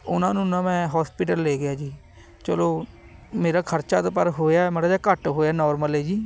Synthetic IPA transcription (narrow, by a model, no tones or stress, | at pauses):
ʊ̰nãːnũːnãːmɛ̃ːɦɔːspiːʈəlːeːɡɪjaːd͡ʒiː | t͡ʃəloː | meːɾaːkʰəɾt͡ʃaːt̪ːpəɾɦoːjaːɛmeɽaːd͡ʒaːkəʈɦoːjaːnɔːɾməleːd͡ʒiː